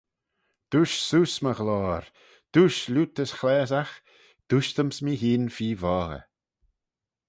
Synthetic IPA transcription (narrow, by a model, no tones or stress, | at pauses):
d̪̥uʃsuːsməɣlɔːɾ | d̪̥uːʃluːt̪əsxlɛːzax | d̪̥uːʃt̪əmsmiɦiːnfiːvɔːɣə̰